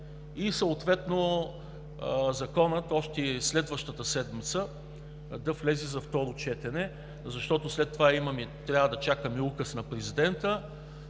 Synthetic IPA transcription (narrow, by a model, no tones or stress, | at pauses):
isəʊt̪vɛt̪no | zɐkɔnət̪ɔʃt̪ɛslɛd̪vəʃt̪ət̪əsɛd̪mit̪sə | d̪ɐflɛzizɐft̪ɔɾot͡ʃɛt̪ɛnɛ | zɐʃt̪ɔt̪ʊslɛt̪ːovaimɐmit̪ɾʲjavəd̪ɐt͡ʃakəmiukəsnɐpɾɛzid̪ɛnt̪ə